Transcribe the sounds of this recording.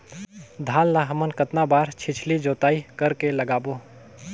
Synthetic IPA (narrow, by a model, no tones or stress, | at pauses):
d̪ʱaːllaɦəmənkət̪nabaːɾt͡ʃʰɪt͡ʃʰlid͡ʒoːt̪aːikəɾkeləɡaːboː